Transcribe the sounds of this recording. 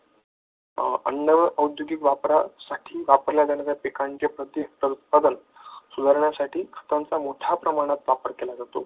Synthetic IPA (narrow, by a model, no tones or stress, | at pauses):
ə̰nːəʋəʔəwd̪joɡikʋapɾasaʈʰiːʋapəɾljad̪anad͡z̪japekant͡ɕepɾət̪ːiɦek̚ʈəɾut̪̚pad̪ən | sud̪ʱaɾɳjasaʈʰiːkʰə̥t̪ant͡samoʈʰapɾəmaɽ̃at̪ʋapəɾkelad͡zat̪o̰